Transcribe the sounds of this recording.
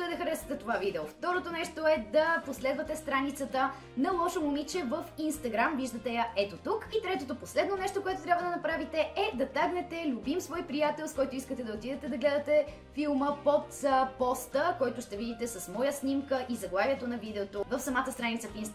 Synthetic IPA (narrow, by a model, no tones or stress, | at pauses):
ɛd̪ɐxɐɾɛsə̥t̪ɛt̪ovavid̪ɛoft̪ɔɾot̪onɛʃt̪oɛd̪ɐposlɛd̪vət̪ɛst̪ɾanit̪sət̪ə | nɐlˠɔʃəmʊmit͡ʃɛvəfinst̪ɐɡɾamviʒd̪ət̪ɛjəʔɛd̪ot̪ukit̪ɾɛt̪ot̪oposlɛd̪nonɛʃt̪okoɛt̪ot̪ɾʲabvəd̪ɐnɐpɾavit̪ɛɛd̪ɐt̪aɡnɛt̪ɛlʲubimsvɔjpɾijat̪ɛlˠskɔjt̪oiskət̪ɛd̪ɐot̪id̪ɛt̪ɛd̪ɐɡlɛd̪ɐt̪ɛ | filˠməpɔpt̪səpɔst̪əkɔjt̪ʊʃt̪ɛvid̪it̪ɛsɐsmɔjəsnʲimkəʔizɐɡlˠavjət̪onɐvid̪ɛot̪ovɐfsɐmat̪əst̪ɾanit̪səfinst̪